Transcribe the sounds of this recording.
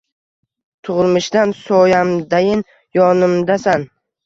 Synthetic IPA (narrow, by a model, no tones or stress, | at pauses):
t̪ʰʊʁɨlˠmɪʃd̪ansɒjamd̪ajɪn | jɒnɪmd̪asan